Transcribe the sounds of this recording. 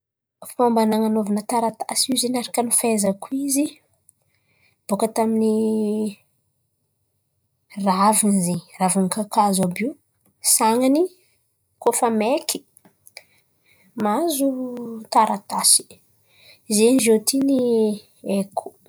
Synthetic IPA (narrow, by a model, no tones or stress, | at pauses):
fipambanaŋanovanət̪aɾat̪asizenaɾakanifezakuizi | b̥okət̪amini | ravinziravankakazabiu | saŋani | kofamekʰi̥ | mazut̪aɾʔat̪asi̥ | zenʒot̪ini | ekʰu̥